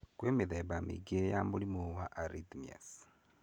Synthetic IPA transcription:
kweːmiðeβamḭɡejamulimuwaʔaɾidmia̰s

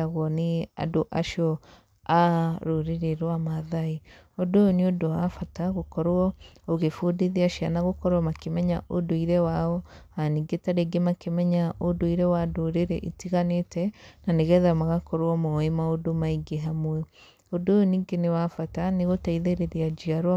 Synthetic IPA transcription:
aɣwɔnea̰doʔaʃjɔ | aɾoɾeɾeɾwamaðai | odojoniodoafataɣokɔɾɔoɣefodeðiaʃianaɣokɔɾwɔmakemɛɲaʔodoiɾɛwaɔaniɡetaɾeɡemakemɛɲaʔodoiɾɛwadoɾeɾḛʔitiɣanetɛnaneɣɛðamaɣakɔɾɔmɔemaodomaiɡeɦamwɛ | odojoniːɡenewafataneɣotaiðeɾeðiad͡ʒiaɾw

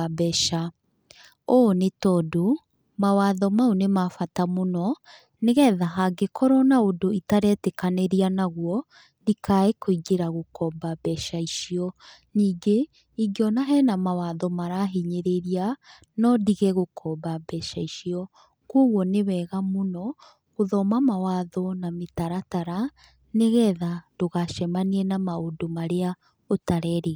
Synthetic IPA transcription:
bɛʃa | onetɔdo | mawaðɔmaonemafatamonɔ | neɣɛðaɦaɡekɔɾɔnaodoitaɾɛtekaneɾianaɣwɔ | dikaekoiɡeɾaɣokɔbabɛʃaiʃiɔ | niːŋɡe | iɡeɔnaɦɛnamawaðɔmaɾaɦiɲeɾeɾia | nɔdiɣɛɣokʰɔbabɛʃaiʃiɔ | koɣwɔnewɛɣamonɔ | ɣoðɔmamawaðɔnametaɾataɾa | neɣɛðadoɣaʃɛmaniɛnamaodomaɾea | otaɾɛɾe

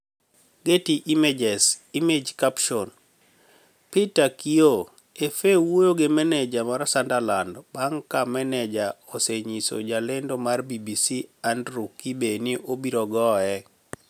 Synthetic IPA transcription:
ɡetiʔimed͡ʒɛsimed͡ʒkapʃɔn | pitakio | efewojoɡemɛnɛd͡ʒamaɾsandalandbaŋkamɛnɛd͡ʒaoseɲiso̰d͡ʒalendomarbibisiandɾukːibeniʔobiɾɔɡɔɛ

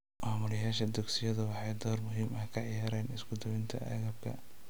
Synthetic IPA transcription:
maːmʊlɪjaːʃɐd̪ʊɡsɪjɐðɐwɑħɑjd̪ɔːrmʊɦiːmɐkʰɐʕɪjaːɾɛːnɪsɡʊd̪ɔwɪnt̪ʰɐ̰ʔɐ̰ɣɐb̚kʰɐ̰

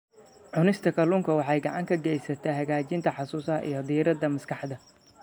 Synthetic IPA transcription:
ʕʊnɪst̪ʰɐkʰɐlʊŋkʰɐwɑħɑjɡɑʕɑŋkʰɐɡɛjsɐt̪ʰɐɦɐɣaːt͡ʃɪnt̪ʰɐħɑsuːshɐ̰ʔḭjɞd̪iːɾɐd̪ɐmɐskʰɑħd̪ɐ

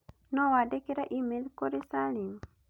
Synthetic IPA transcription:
nɔwadekeɾaʔimelkoɾesalim

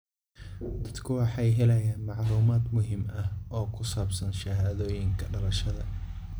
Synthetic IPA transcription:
d̪̥ɐd̪kʰʊwɑħɑjɦɛlɐjaːnmɑʕluːmaːd̪mʊɦimɐhɔːkʰʊsaːbsɐnʃɐɦaːðɔːjɪŋkʰɐɖɐlɐʃɐðɐ

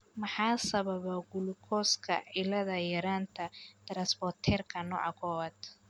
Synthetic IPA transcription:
mɑħɑːsɐβɐβɔɡʊlʊkʰɔskʰɐ̰ʕɪlɐðɐjɛɾaːnt̪ʰɐd̪̥ɐɾɐsbɔrt̪ʰɛːrkʰɐnɔ̰ːʕɑ̰kʰɔwɐd̪

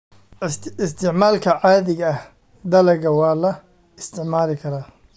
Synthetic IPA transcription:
ɪst̪ʰɪʕmaːlkʰɐʕaːðɪɣɐɐh | d̪ɐlɛɣɐwɑːlɐ | ɪst̪ʰɪʕmaːlɪkʰɐɾaː

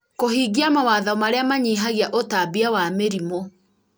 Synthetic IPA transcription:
kohiːɡiamawaːðaɔmaɾeamaɲiːɦaɣeaʔotabiawameɾimo

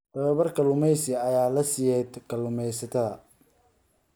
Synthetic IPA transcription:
t̪ɐβɐβɐrkʰɐlʊmɛjsɪɐjaːlɐsɪjɛd̪kʰɐlʊmɛjsɐt̪ʰɐðɐ

